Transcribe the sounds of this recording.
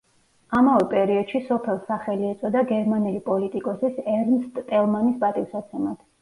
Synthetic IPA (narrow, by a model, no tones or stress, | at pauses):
amavɛpʼɛɾiɔd̪̥ʃisɔpʰɛlˠsaχɛliɛt̪sʼɔd̪aɡɛɾmanɛlipʼɔlit̪ʼikʼɔsisɛɾnst̪ʼt̪ʼɛlˠmanisbat̪ʼiwsat̪sʰɛmat̪ʰ